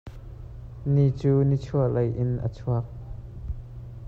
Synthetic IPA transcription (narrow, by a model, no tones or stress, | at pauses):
nit͡suːnit͡sʰuaʔlɐjʔɪnʔə̰t͡sʰuək̚